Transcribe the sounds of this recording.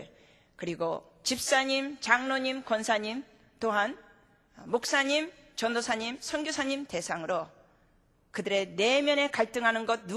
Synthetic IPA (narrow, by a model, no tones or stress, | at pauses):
kɯɾiɡo | t͡ɕip̚s͈aɲimt͡ɕaŋnoɲimkʌnsʰaɲim | toɦan | mok̚s͈aɲim | t͡ɕʌndosʰaɲimsʰʌŋɡjosʰaɲimte̞sʰaŋɯɾo | kɯdɯɾe̞ne̞mjʌne̞kaɭt͈ɯŋɦanɯnɡʌt̚nu